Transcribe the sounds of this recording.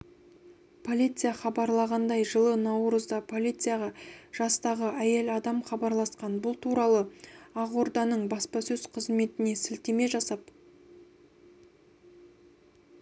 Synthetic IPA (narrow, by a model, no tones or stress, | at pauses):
pʰo̞lʲijt̪sɨjaχɑbɑɾlˠɑʁɑnd̪ɑjʒəlˠənɑwɾəzd̪ɑpʰo̞lʲijt̪sɨjaʁɑʒ̥ɑst̪ɑʁəʔæje̞lɑd̪ɑmχɑbɑɾlˠɑsqɑnbʊlˠt̪ʰuɾɑlˠəɑʁoɾd̪ɑnəɴbɑspɑsɵzqʰəzme̞t̪ɪne̞sɪlt̪eme̞ʒɑsɑp